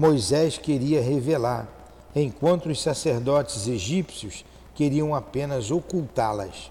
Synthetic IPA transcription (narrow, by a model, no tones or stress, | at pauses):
mojzɛskeɾiɐɦevelaɾ | ẽj̃kwɐ̃nt̪ʊʊssaseɾd̪ɔt͡ʃɪzeʒipsjʊs | keɾiɐ̃w̃apẽnɐzokuwt̪alɐ̰s